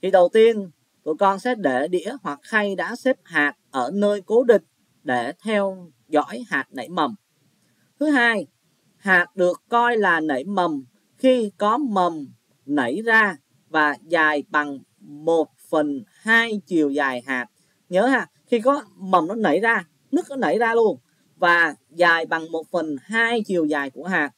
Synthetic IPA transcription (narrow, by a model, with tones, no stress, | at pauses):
t̪ʰi˨˩ɗə˨˩wt̪i˧ən | t̪ṵ˧˨jkɔ˧nsɛ̰˧˥ɗe˧˩ɗḭ˧˥əhwa˨˩k̚xa˧jɗa̰ː˧˥se˦˥p̚haː˨˩t̚ʔəː˧˩nəː˧jko˨˦ɗï˨˩ŋ̟̚ | ɗe˧˩t̪ʰɛ˧w | zɔ̰˧˥jhaː˨˩t̚nə̰˧˩jmə˨˩m | t̪ʰɨ˨˦ɦaː˧j | haː˨˩t̚ɗɨ˨˩əkːɔ˧jlaː˨˩nə̰˧˩jmə˨˩m | xi˧kɔ˨˦mə˨˩m | nə˧˩jzaː˧ | vaː˨˩zaː˨˩jɓa˨˩ŋ | mo˨˩t̚fə˨˩nhaː˧jt͡ɕi˨˩əwzaː˨˩jɦaː˨˩t̚ | ɲəː˨˦haː˧˨˩xi˧kɔ˨˦mə˨˩mnɔ˨˦nə̰˧˩˨jzaː˧ | nɨ˦˥ək̚nɔ˨˦nə̰˧˩jzaː˧lu˧ən | vaː˨˩ | zaː˨˩jɓa˨˩ŋmo˨˩t̚fə˨˩nɦaː˧jt͡ɕi˨˩əwzaː˨˩jku˧˩əɦaː˨˩t̚